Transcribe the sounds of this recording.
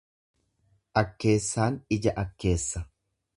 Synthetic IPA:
ʔɐkːe̞ːsːaːnɪd͡ʒɐʔɐkːe̞ːsːɐ

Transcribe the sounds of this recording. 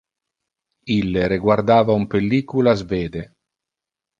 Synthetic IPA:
ilːeɾeɡward̪aːvaumpelːiːkulazveːd̪e

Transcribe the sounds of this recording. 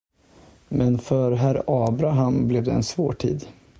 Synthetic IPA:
mɛnfœɾɦæɾɑːbɾaɦamblɛvd̪ɛɛnsvoːʈʰḭːd̪

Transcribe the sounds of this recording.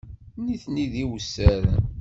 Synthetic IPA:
niθniðiwsːæɾæ̰

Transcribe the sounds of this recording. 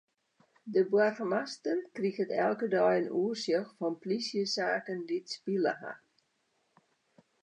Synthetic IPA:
dəbwarxmastənkrixətɛ̰lˠkədɔjənuərsjəxfɔnplisjəsaːkənditspilə̰ɦa̰

